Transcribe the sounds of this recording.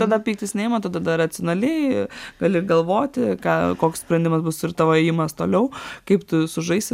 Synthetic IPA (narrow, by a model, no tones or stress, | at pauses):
t̪ɐd̪ɐpʲiːk̚t̪ʲɪsʲnʲɛːɪmɐt̪ɐd̪ɐd̪ɐɾɐt͡s̪ʲɪonɐlʲɛɪɡ̥ɐːlʲɪɾɡɐlˠʋoːt̪ʲɪkɑːkoːkspʲɾɐnd̪ʲɪmɐsbʊsɪɾt̪ɐʋoːɛjɪmɐst̪oːlʲɛʊkɐɪpt̪ʊsʊʒɐɪst̪ʲɪ